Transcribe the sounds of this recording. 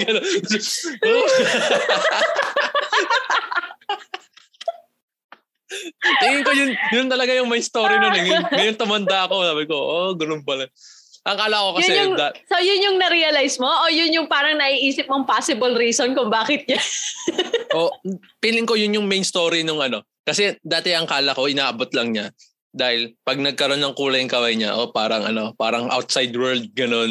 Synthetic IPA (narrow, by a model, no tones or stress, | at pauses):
ɡɐn | t̪ɪŋɪŋkojʊnjʊnt̪ɐlɐɡajʊŋmɐjst̪oːɾinonɛŋʊŋɐjʊŋt̪ʊmɐnd̪aʔɐkosaːbɪkoʔoɡʊnompɐlɐ | ʔɐŋkaːlɐʔko̞kɐʊsɛʊŋd̪asojʊnjʊŋnɐɾiːɐlajsmoʔojʊnjʊŋpaːɾɐŋnɐʔiːʔiːsɪp̚mɐŋpaːsɪbɐlɾiːsonkʊŋbaːkɪt̪̚ɲɐ | ʔo | pinlɪŋko̞jʊnjʊŋmejnst̪oːɾinʊŋʔɐno̞ | kɐsɛd̪aːt̪ɛʔɐŋkaːlɐko̞ʔɪnaːʔɐbo̞t̪lɐŋɲa | d̪aːhɪlpɐɡ̚nɐɡ̚kɐɾo̞nːɐŋkuːlɐjɐŋkɐwɐjɲa̰ʔopaːɾɐŋʔɐ̰no̞paːɾɐŋʔa̰wt̪̚sajd̪wɛɹld̪̚ɡɐno̞n